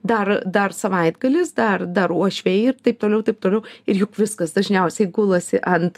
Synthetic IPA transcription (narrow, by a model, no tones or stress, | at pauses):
d̪ɐrd̪ɐrsɐʋɐɪd̪ɡɐlʲɪsd̪ɐrd̪ɐɾuɔʃʲʋʲɛɪɪrt̪ɐɪp̚t̪oːlʲɛʊt̪ɐɪp̚t̪oːlʲɛʊɪɾjʊkʋʲɪskɐsd̪ɐʒʲnʲɛʊsʲɛɪɡʊlˠɐsʲɪʔɐnt̪